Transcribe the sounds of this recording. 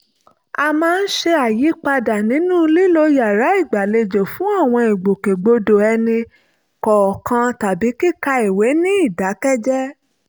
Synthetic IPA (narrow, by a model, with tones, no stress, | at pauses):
a˧mãː˦˧n̩˦ʃe˧a˨ji˨˦k͡pa˧da˨nĩ˨˦nũ˦li˦lo˧ja˨ɾa˨˦i˦˨ɡ͡ba˨le˧d͡ʒo˨fũ˨˦a˦˨w̃ɔ̃˧i˨ɡ͡bo˨ke˨ɡ͡bo˧do˨ɛ˧nĩ˧ | kɔ˨kã˧ta˨bi˨˦ki˦˨ka˧i˨we˨˦nĩ˦i˦˨da˨˦kɛ˦d͡ʒɛ˦